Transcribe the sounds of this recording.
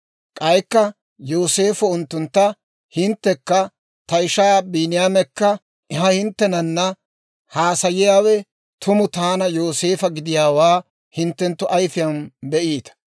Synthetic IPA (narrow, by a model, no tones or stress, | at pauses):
kʼɐjkːɐ | joːse̞ːfʊʊnt̪ːʊnt̪ːɐ | hɪnt̪ːɛkːɐ | t̪ɐɪʃaːbiːnɪjaːmɛkːɐ | ʔɛhɐhɪnt̪ːɛnɐnːɐ | haːsɐjɪjaːwɛ | t̪ʰʊmʊt̪aːnɐjo̞ːseːfɐɡɪd̪ɪjaːwaː | hɪnt̪ːɛnt̪ːʊʔɐjfɪjɐnbɛʔiːt̪ɐ̥